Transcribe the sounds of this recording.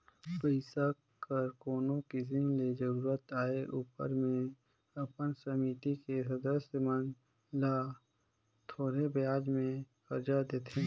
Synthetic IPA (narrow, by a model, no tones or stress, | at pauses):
pəɪsa | kəɾkoːnõkɪs̬inled͡ʒəɾuːɾət̪aːeʔuːpə̰ɾmẽ | ɐpənsəmit̪ikesɐd̪əsjəmən | la | t̪ʰoːɾebejaːd͡ʒmẽ | kəɾd͡ʒad̪eːt̪ʰẽ